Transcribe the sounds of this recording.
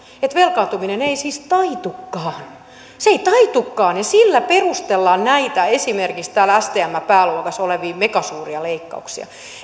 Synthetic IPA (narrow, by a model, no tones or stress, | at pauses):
et̪ʋelkɑːnt̪umineneisiːst̪ɑit̪ukːɑːn | seit̪ɑit̪ukːɑːnjɑsilːæperust̪elːɑːnnæit̪æesimerkikst̪æːlæst̪eːæmːæpæːluokɑsoleʋiːmekɑsuːriɑleikːɑ̰uksḭɑ̰